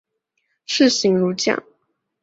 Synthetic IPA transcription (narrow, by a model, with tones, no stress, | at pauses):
ʂɻ̩˥˨ɕi˧˥ŋɻu˧˥t͡ɕjɑ̰˨˩ŋ